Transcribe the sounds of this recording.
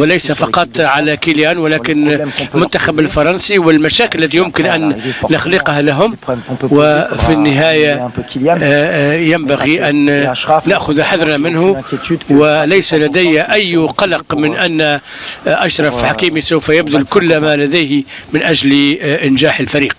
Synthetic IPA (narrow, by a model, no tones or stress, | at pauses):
wɪlɛjsafɑqɑt̪ˤʕalækiljaːnwɪlæːkɪnmʊnt̪ːaxabɪlfɑɾˤɑnsiwɪlmæʃaːkɪlːæt̪ijʊmkɪnʔænːɪxliqhalaɦʊmwɪfinːɪɦaːja | jambaɣiʔænːaʔxʊðħaðɾamɪnhʊwɪlæjsalæd̪æjːaʔæjːqɑlɑqmɪnʔænː | ʔaʃɾˤɑfħakiːmisawfajabd̪ʊlkʊlːmalæd̪æjhmɪnʔæʒlʔɪnʒaːħɪlfaɾiːq̚